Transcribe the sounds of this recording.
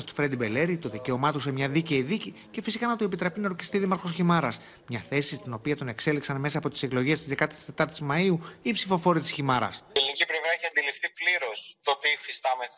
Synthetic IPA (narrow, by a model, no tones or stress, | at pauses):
st̪u̥fɾed̪ibe̞le̞ɾit̪o̞ðice̞o̞mɐt̪osemɲɐðice̞iðici | ce̞fisikɐnɐt̪ue̞pit̪ɾe̞pinɐoɾçi̥st̪iðimɐɾxo̞sçimɐɾɐs | mɲɐθe̞sist̪ino̞piɐt̪o̞ne̞kse̞liksɐnme̞sɐːpo̞t̪i̥se̞klo̞ʝe̞st̪izðe̞kɐt̪i̥st̪et̪ɐɾt̪izmɐiuipsifo̞fo̞ɾit̪isçimɐɾɐ̰selinicipɾevɾɐeçiɐnd̪ilifθipliɾo̞st̪opifist̪ɐmeθ